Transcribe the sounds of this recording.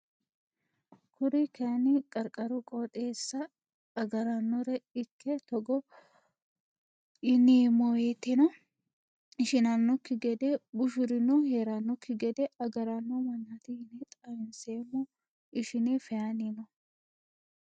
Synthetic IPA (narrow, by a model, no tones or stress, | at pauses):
kʰʊɾɪkʰɐnɪkʼɐɾkʼɐɾʊkʼot̪ʼeːsːɐ | ɐɡɐɾɐnːɔɾɛɪkːɛt̪ɔɡɔ | ɪneːmːɔjet̪ːɛnɔ | ɪʃɪnɐnːɔkːɪɡɛd̪ɛbʊʃʊɾɪnuheːɾɐnːɔkʰːɪɡɛd̪ɛɐɡɐɾɐnːɔmɐnːɐt̪ɪhɪnet̪ʼɐjɪnseːmːɔ | ʔɪʃɪnefɛjaninɔ